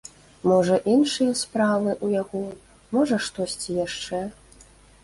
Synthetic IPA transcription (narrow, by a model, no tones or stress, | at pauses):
mɔʐɐʔinʂɨjɐspɾavɨʔujaɣɔ | mɔʐɐʂt̪ɔsʲt͡sʲijaʂt͡ʂɛ